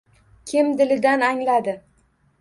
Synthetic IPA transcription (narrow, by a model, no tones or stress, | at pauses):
kʲʰɪmd̪ɪlɪd̪anaŋlad̪ɪ